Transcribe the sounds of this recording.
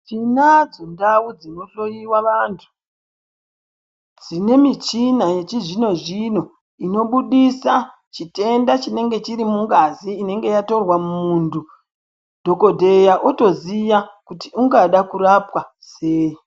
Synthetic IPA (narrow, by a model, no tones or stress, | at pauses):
t͡ʃinad͡zondawud͡zino̞ɬo̞jiwaʋantʰu̥ | d͡zine̞mit͡ʃinaje̞t͡ʃiʐino̞ʐino̞ | ino̞ɓuɗisa | t͡ʃite̞ndat͡ʃine̞ŋɡe̞t͡ʃiɾimuŋɡaziːne̞ŋɡe̞jato̞rwamuːndu | dʱo̞ko̞dʱe̞jaʔoto̞zijakutiuŋɡaɗakuɾapwa | seːji